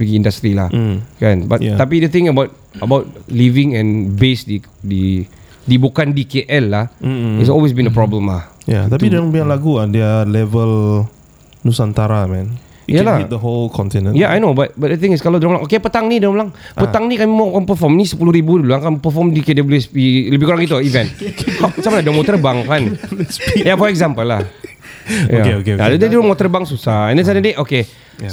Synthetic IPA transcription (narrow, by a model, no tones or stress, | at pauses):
piɡiĩndast̪ɾila̰h̩kãnbatj̪ap̬idət̪ɪ̃ŋəbaʊt̚ | əbaʊt̚livɪ̃ŋɛ̃nbesdidi | dibukandikeʔɛlːahis̬ɔlwes̬bĩnəpɹɔblə̃mla̰hja̰t̪apidãŋbãlaɡuadɛəlɛvəl | nusãnt̪aɾamɛ̃n | jalaidəɦolkʰɔ̃ntinə̃njaʔajnobat̚bat̚dət̪ɪ̃ŋɪskalawdɔmlaŋʔokepət̪aŋnidɔmlaŋpət̪aŋnikamimakanpəfɔmnisəpuluɾibuduluaŋkanpəfɔmdikedɔbəluɛspiləbɪhkuɾaŋɡit̪uivɛ̃namat͡ʃamaladɔmɔt̪ərbaŋkan | jafɔɛɡzampəlːah | jakeokeadɛndɾɔmɔt̪ərbaŋsusaɛ̃ndəs̬anədeʔoke